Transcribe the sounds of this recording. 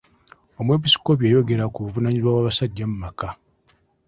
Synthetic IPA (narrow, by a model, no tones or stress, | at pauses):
o̞mwe̞p̬isi̥ko̞pjejo̞ɡe̞ɾakuβuvunaɲizwawaβasaɟːamumaka